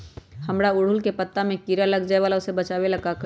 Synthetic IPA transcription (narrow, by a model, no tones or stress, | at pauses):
həmɾaʊɽ̤ʊlkepət̪ːamẽkiɾaləɡd͡ʒaːeʋaːlaʊsebɐt͡ʃaːwelɐɡak